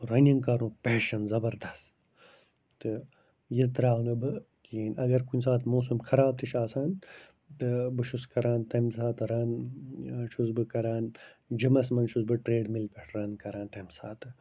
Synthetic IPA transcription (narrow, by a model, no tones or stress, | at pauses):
ɾɐniŋɡkɐɾũːpeːʃɐnzɐbɐɾd̪ɐst̪ | t̪ɨ | jit̪ɾaːɦunɐbɨ | kiːnɐɡɐɾkunʲs̬aːt̪ʰmoːsumkʰɐɾaːb̚t̪ʰiʃaːsaːn | t̪ɨbɨʃuskɐɾaːnt̪ɐmsaːt̪ɨɾɐːn | ʃusbɨkɐɾaːnd͡ʒimɐsmɐnʃusbɨʈɾeːɖmilkɐʈʰɾɐnkɐɾãːnt̪ɐmsaːt̪ɨ